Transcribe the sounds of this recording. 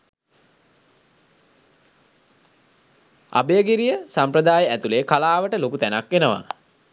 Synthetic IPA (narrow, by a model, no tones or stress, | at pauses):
a̰bejəɡiɾijəsampɾəd̪aːjəæt̪uleːkalaːʋəʈəlokut̪ænakʋenəʋa̰